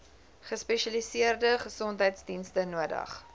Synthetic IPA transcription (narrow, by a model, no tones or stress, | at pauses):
χəspɛʃɐlisiərdəχəsɔntɦəjtsdinstənuədɐ̰χ